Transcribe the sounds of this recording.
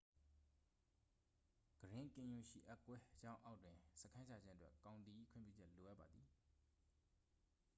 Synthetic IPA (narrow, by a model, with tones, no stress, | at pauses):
ɡ̥əɹɪ̃˦kɪ̃˨ju˨ʃḭ˦˨ʔa˦˨kwɛ˦d͡ʑã˦ʊ̃ʔa˦ʊʔtwɪ̃˨sə˦kʰã˦nd͡ʑʰa˨d͡ʑɪ̃˦ʔə˦twɛ˦kã˨ʊ̃nt̪i˨ʔi˦˨kʰwɪ̃˦˨mpjṵ˦˨d͡ʑɛ˦ʔlo˨ʔa˦ʔpːa˨d̪ði˨